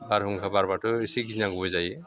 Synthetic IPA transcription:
baɾɦuŋkʰabaɾbatʰɯisiɡinaŋɡbɔjzaj

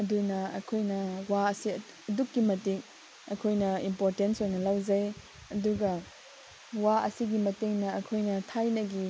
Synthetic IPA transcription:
ɐdunɐɐ̰kʰojnɐwaɐsi | ɐdukːimɐtiŋ | ɐ̰kʰojnɐimpoɾtensojnɐlawd͡ʒɐj | ɐduɡɐ | waɐ̰siɡimɐteŋnɐːkʰojnɐtʰajnɐɡi

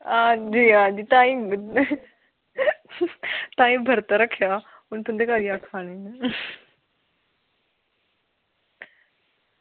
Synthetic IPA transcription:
aːd͡ʑiːaːd͡ʑiːt̪ãːĩ | t̪ãːĩbʱɐɾt̪ɐɾɐkʰijaː | ʊnt̪ʰʊ̃nd̪ekaːɾijakʰaːɽ̃n

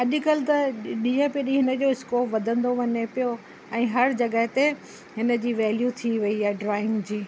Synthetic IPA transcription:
ɐʄkɐlɪt̪ɐɗĩːə̃piɗĩɦɪnə̆d͡ʑoɪskoːpʋɐd̪ʱə̃nd̪oʋɐɲepijo | ɛ̃ːɦɐɾd͡ʑɐɡəɦt̪e | ɦɪnə̆d͡ʑiːʋɛːljut̪ʰiʋɐiaɖɾaːɪ̃ŋɡd͡ʑiː

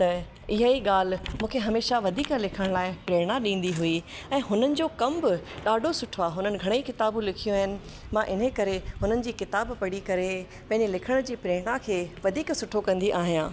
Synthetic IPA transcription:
t̪ɐ | ɪɦaiɠaːl̤mũːkʰeɦɐmeːʃaʋɐd̪ʱiːklɪkʰəɽ̃laːɪpɾeːɽ̃aɗĩːn̆d̪iɦui | ɛ̃ːɦʊnənɪ̆d͡ʑoːkɐmbɪɗaːɖʱosʊʈʰʋaɦʊnənɪ̆ɡʱɐɽ̃eikɪt̪aːbũlɪkʰijõaːɦɪnɪ̆ | mãʔɪn̤əkɐɾeɦʊn̤ənɪ̆d͡ʑiːkɪt̪aːbpɐɽikɐɾe | pɐ̃ɦɪ̃ɲd͡ʑelɪkʰəɽ̃d͡ʑiːpɾeːɽ̃akʰeːʋɐd̪ʱiːksʊʈʰokɐ̃nd̪iʔaːɦijãː

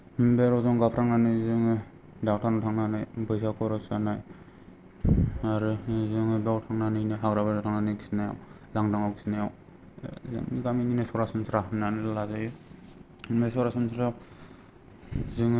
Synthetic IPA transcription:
mbeɾɔzɔŋɡapʰɾaŋnanɯzɯŋɯ | dawtʰanatʰaŋnanɯjbɯjsakʰɔɾɔsanaj | aɾɯzɯŋɯbawtʰaŋnanɯjnɯɦaɡɾabanatʰaŋnanɯjki̥sinaja̰w | laŋdaŋawki̥sinajaw | zɯ̰ŋiɡamininɯsɔɾasɯmsɾaɦnanɯlazaj | nesɔɾasumsɾa | zɯŋ

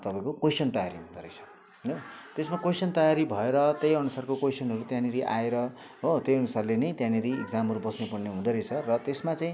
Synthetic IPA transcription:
t̪ʌpãĩkokosʰʌnt̪ʌjaɾiɦũd̪ʌɾʌjt͡sʰʌ̥ | ɦʌnʌt̪esmakosʌnt̪ʌjaɾibʱʌeɾʌt̪ejʌnusarkokojsʰʌnɦʌɾut̪jãniɾiʔa̰eɾʌ | ɦot̪ejʌnusarlenʌjt̪jãniɾieɡd͡zamɦʌɾubʌsnepʌrneɦũd̪ʌɾʌjt͡sʰʌrʌt̪esmat͡saĩ

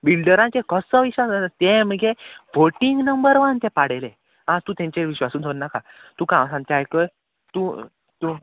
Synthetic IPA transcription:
bilɖəɾãt͡ɕẽkəsəʋiɕʋasat̪em̤əɡeʋoʈiŋɡnəmbəɾʋənt̪ẽpaɽ̤ele | ɦãt̪ũt̪ẽɲt͡ɕeʋiɕʋasũd̪ʱonːaka | t̪ũkãwsãnt̪jajkəj | t̪ũ | t̪u

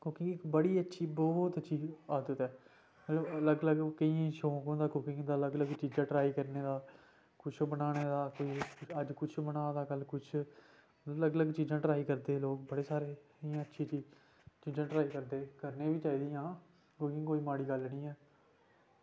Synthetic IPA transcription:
kʊkɪ̃ŋɡɪkbəɽiːətːʃʰiːbɔːt̪ətːʃʰiːaːd̪ət̪ɛː | mət̪ləbələɡələɡkəiãːʃõːkõːd̪aːkʊkɪ̃ŋɡd̪aːləɡləɡt͡ʃiːd͡ʒãːʈɾaːiːkəɾneːd̪aː | kʊt͡ʃʰbənaːñeːd̪aːkoːiːəd͡ʒkʊt͡ʃʰbənãːd̪aːkəlkʊt͡ʃʰ | ləɡələɡt͡ʃiːzãːʈɾaːiːkəɾd̪eːloːk̚bəɽeːsaːɾeː | iãːətːʃʰiːt͡ʃiː | t͡ʃiːzãːʈɾaːiːkəɾd̪eːkəɾnẽːʋiːt͡ʃaːiːd̪ijãː | kʊkɪ̃ŋɡkoːiːmaːɽiːɡəlnĩːɛː

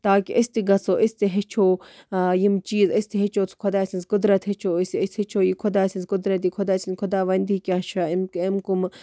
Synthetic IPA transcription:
t̪aːkiʔɐsʲt̪iɡɐt͡soːʔisʲt̪iɦet͡ʃʰoːjimt͡ʃiːzɐsʲt̪iɦet͡ʃʰoːt͡sʰkʰod̪aːsʲint͡sɡʊd̪ɾɐt̪ɦet͡ʃʰoːisiəshet͡ʃʰoːjikʰʊd̪aːsʲinsɡʊd̪ɾɐt̪̬ikʰʊd̪aːsinʲkʰʊd̪aːʋɐnd̪iːkʲaʃaimkemkum

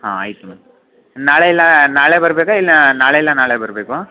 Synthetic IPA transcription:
hã̰ːɐ̰ɪt̪ɯmɐ | naːɭɐɪlːãːnaːɭɛbɐɾɯbeːkaɪlːnanaːɭɐjɪlːãːnaːɭebɐɾɯbeːkõ

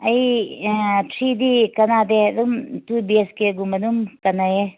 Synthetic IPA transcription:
ɐj | tʰɾid̪ikɐnad̪eɐd̪umt̪ubieskeɡumɐnumkɐnaje

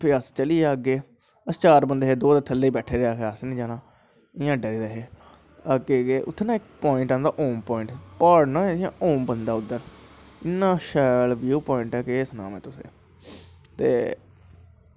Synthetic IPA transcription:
pʰɪəst͡ʃəliːɛːəɡeː | əst͡ʃaːɾbənd̪eːɦeːd̪oːd̪ət̪ʰəlːeiːbɛːʈʰeːɾeaːkʰeaːsnĩːd͡ʒaːnãː | ɪjãːɖəɾiːd̪eɦeː | əɡeːɡeːʔʊt̪ʰːnãːɪk̚pɔːɪ̃ɳʈãːnd̪aːʔoːmpɔːɪ̃ɳʈːɔːɖnãːɪjãːʔoːmbənd̪aːʊd̪əɾɪnːãːʃɛːlʋjuːpɔːɪ̃ɳʈɛːkɪeːsnã̰ːmḛ̃ːt̪ʊsḛ̃ː | t̪eː

